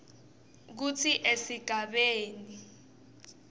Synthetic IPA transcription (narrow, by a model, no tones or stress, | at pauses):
k̬ut͡sʰiʔesiɡ̥ʱaɓeːni